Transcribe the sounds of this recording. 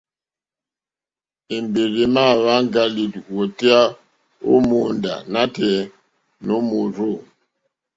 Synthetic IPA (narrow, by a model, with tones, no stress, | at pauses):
e˨mbe˨ɣi˨ma˦˨βa˦ŋɡa˦li˨two˨ti˦a˦ | o̰˦mu˨nda̰˨na˦tɛ˨ | no˦mu˨ɾo˦˨